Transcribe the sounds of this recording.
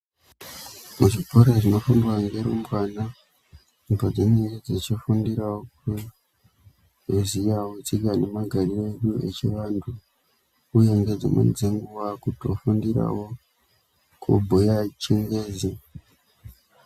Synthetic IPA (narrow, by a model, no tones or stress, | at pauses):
muʐipo̞ɾeʐino̞fundwaŋɡeɾumbwaːna | imbod͡zeneed͡zet͡ʃifundiɾawoku | ezijawot͡siɡane̞maɡʱarie̞ɗue̞̰t͡ʃiʋandʰu | uje̞ŋɡe̞d͡zḛmḛnd͡zeŋɡuʋakutofundiɾa̰wo̞ | kʰṵbʱujat͡ʃiŋɡeːzi